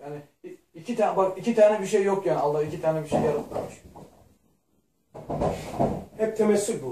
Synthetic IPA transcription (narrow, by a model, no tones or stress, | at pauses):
jaːnɪ | icʰit̪ʰaːnbakicit̪ʰaːnɛbiʃejːokjaːnalːahicit̪ʰaːnɛbiʃejːaɾalˠaɾmɯʃ | hɛp̚t̪ʰemɛsylbu